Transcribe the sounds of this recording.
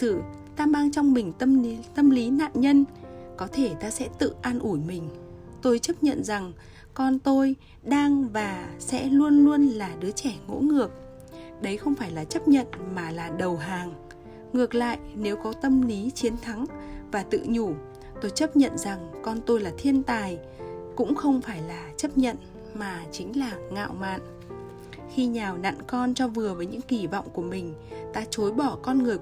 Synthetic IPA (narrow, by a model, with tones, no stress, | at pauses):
sɨ˧˩ | t̪aː˧maː˧ŋt͡ɕɔ˧wŋ͡mmï˨˩ŋ̟t̪ə˧mt̪ə˧mli˨˦na̰ː˧˨nɲə˧nkɔ˨˦t̪ʰe˧˩t̪aː˧sɛ̰˧˥t̪ɨ̰˧˨ʔaː˧nʔu˧˩jmï˨˩ŋ̟ | t̪o˧jt͡ɕə˦˥p̚ɲə̰˧˨nza˨˩ŋ | kɔ˧nt̪o˧j | ɗaː˧ŋvaː˨˩sɛ̰˧˥lu˧ənlu˧ənlaː˨˩ɗɨ˨˦ət͡ɕɛ˧˩ŋo̰˧˥ŋɨ˨˩ək̚ | ɗə˨˦jxə˧wŋ͡mfaː˧˩jlaː˨˩t͡ɕə˦˥p̚ɲə̰˧˨nmaː˨˩laː˨˩ɗə˨˩wɦaː˨˩ŋ | ŋɨ˨˩ək̚la̰ː˧˨jʔne˨˦wkɔ˨˦t̪ə˧mli˨˦t͡ɕi˨˦ənt̪ʰa˨˦ŋvaː˨˩t̪ɨ̰˧˨ɲu˧˩ | t̪o˧jt͡ɕə˦˥p̚ɲə̰˧˨nza˨˩ŋkɔ˧nt̪o˧jlaː˨˩t̪ʰi˧ənt̪aː˨˩j | kʊ̰˧˥ŋ͡mxə˧wŋ͡mfaː˧˩jlaː˨˩t͡ɕə˦˥p̚ɲə̰˧˨n | maː˨˩t͡ɕï˨˦ŋ̟laː˨˩ŋa̰ː˧˨wma̰ː˧˨n | xi˧ɲaː˨˩wna̰ː˧˨nkɔ˧nt͡ɕɔ˧vɨ˨˩əvəː˨˦jɲɨ̰˧˥ŋki˧˩vɔ̰˧˨wŋ͡mku˧˩əmï˨˩ŋ̟t̪aː˧t͡ɕo˨˦jɓɔ˧˩kɔ˧nŋɨ˨˩əj